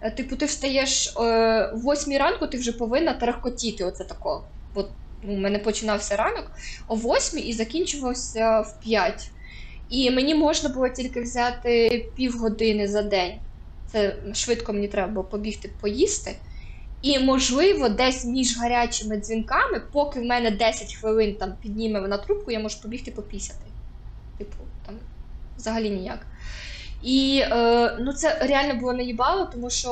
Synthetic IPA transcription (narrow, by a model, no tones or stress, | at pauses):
t̪ɪpʊt̪ɪwst̪ɐjɛʃ | wːɔsʲmʲiɾɑnkʊt̪ɪwʒɛpɔʋɪnːɐt̪ɾɐxkɔtʲit̪ɪɔt̪sɛt̪ɐkɔɔ | bɔ | numɛnɛpɔt͡ʃɪnɑwsʲɐɾɑnɔkɔʋɔsʲmʲiizɐkʲinʲt͡ʃʊʋɐwsʲɐwpʲjatʲ | imenʲimɔʒnɐbʊlˠɔtʲilʲkɪwzʲɑt̪ɪpʲiwɦɔd̪ɪnɪzɐd̪ɛnʲ | t̪sɛʃʋɪt̪kɔmenʲit̪ɾɛbɐbʊlˠɔpɔbʲixt̪ɪpɔjist̪ɪ | imɔʒlˠɪʋɔd̪ɛsʲmʲiʒɦɐɾʲat͡ʃɪmɪd̪zʲʋʲinkɑmɪpɔkɪwmɛnɛd̪ɛsʲɐtʲxʋɪlˠɪnt̪ɑmpʲid̪̚ʲnʲimeʋnɐt̪ɾup̚kʊjamɔʒʊpɔbʲixt̪ɪpɔpʲisʲɐt̪ɪ | t̪ɪpʰʊt̪ɑmʋzɐɦɐlʲinʲija̰k | iənut̪sɛɾʲeɑlʲnɔbʊlˠɔnɐjʲibɑlˠɔt̪ɔmuʃt͡ʃɔ